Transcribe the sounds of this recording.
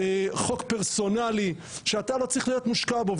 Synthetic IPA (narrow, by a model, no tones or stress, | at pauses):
χokpeʁso̞nali | ʃeat̪alo̞t͡sʁiχlijo̞t̪muʃkabov